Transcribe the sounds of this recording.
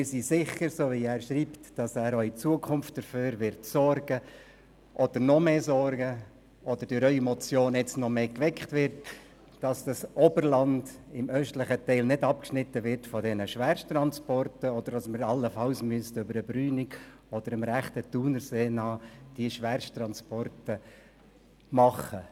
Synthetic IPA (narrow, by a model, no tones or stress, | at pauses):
mɪɾsisɪχəɾsoːviæːɾʃɾiːptd̥ɑsæːɾœʏit͡suəkʰʊmft̚d̥əɾføːɾʋɪɾtsɔrɡ̥ə | ʔɔd̥̪əɾnɔmeːsɔɾɡə | ʔɔd̥̪əɾd̥øɾœʏimɔt͡sjoːnɛt͡snɔmeːkʋɛkχtvɪɾt | d̥ɑsd̥ɑsobəɾlɑndɪmœʃtlɪχətɛɪlnɪdɑp̚kʃnɪtːəʋɪɾtfɔdɛnəʃʋɛɾʃtrɑnspɔrtəɔd̥̪əɾdɑsmɪɾɑlːəfɑlsmyəstʏbəɾəbryːniɡ | ɔd̥əɾɪmɾæχtətuːnəɾseːnɑːd̥iʃʋɛɾʃtrɑnspɔrtə | mɑχə